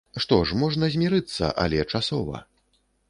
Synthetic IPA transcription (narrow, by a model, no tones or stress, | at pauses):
ʂt̪ɔʂmɔʐnɐzʲmʲiɾɨt̪sːɐ̰ʔa̰lʲɛt͡ʂasɔvɐ̰